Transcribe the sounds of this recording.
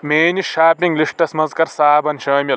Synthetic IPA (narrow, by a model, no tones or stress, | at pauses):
meːniʃaːpiŋɡliʂʈɐsmɐnzkɐɾsaːbɐnʃɐːmʲi